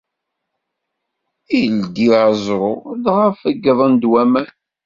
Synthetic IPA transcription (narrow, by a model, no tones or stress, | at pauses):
ild̪izˤɾˤʊðʁəfəɡːðˤənd̪wæmæ